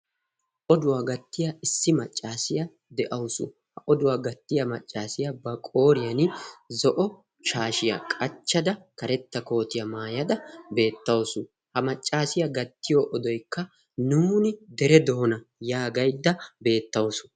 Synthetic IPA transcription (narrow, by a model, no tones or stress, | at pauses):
ʔɔd̪ʊwaːɡɐt̪ːɪjɐɪsːɪmɐt͡ʃʼːaːsɪjɐ | d̪ɛʔɐwʊsʊ̰ | hɐʔɔd̪ʊwaːɡɐt̪ːɪjɐmɐt͡ʃʼːaːsɪjɐbɐkʼo̞ːɾɪjɐnzɔʔɔ | ʃaːʃɪjɐ̰kʼɐt͡ʃːɐd̪ɐkɐɾɛt̪ːɐko̞ːt̪ɪjɐmaːjɐd̪ɐbe̞ːt̪ːɐwsʊ | hɐmɐt͡ʃʼːaːsɪjɐɡɐt̪ːɪjɔːʔɔd̪ɔjkːɐ | nuːnɪd̪ɛɾɛd̪oːnɐjaːɡɐjd̪ːɐbe̞ːt̪ːɐwsʊ̥